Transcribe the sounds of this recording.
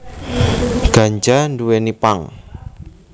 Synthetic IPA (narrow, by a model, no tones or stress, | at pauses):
ɡ̥a̤ɲd͡ʒanduwenipaŋ